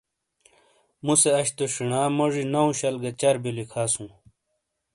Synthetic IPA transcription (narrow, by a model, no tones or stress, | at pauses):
museɐɕt̪oʂiɳaːmɐʐinɐũɕɐlɡɐt͡ɕɐɾbilikʰaːsũː